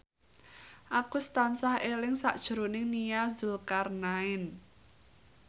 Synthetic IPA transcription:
ʔakust̪ansahelɪŋsa̰ʔd̥ʒ̥ə̤ɾonɪŋnijazulkarnaɪn

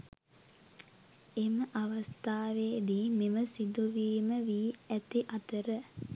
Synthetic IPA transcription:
eməʔaʋast̪aːʋeːd̪iːmeməsid̪uʋiːməʋiːæt̪iʔat̪əɾə

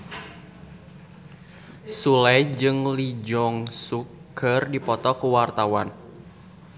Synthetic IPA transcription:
sulɛjd͡ʒɨŋlid͡ʒɔŋsukərdipɔt̪ɔkuwart̪awa̰n

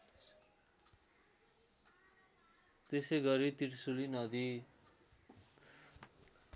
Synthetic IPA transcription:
t̪esejɡʌɾit̪iʈsulinʌd̪i

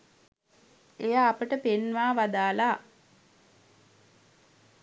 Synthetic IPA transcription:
ejaːpəʈəpenʋaːʋad̪aːla

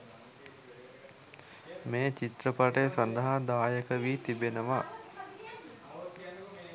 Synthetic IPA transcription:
meːt͡ʃit̪rəpaʈəjəsand̪əɦad̪aːjəkəʋiːt̪ibenəʋa

